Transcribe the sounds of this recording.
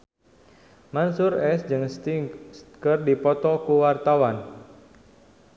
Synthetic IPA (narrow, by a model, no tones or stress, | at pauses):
mansʊrɛsd͡ʒɨŋst̪iskərdipɔt̪ɔkuwart̪awan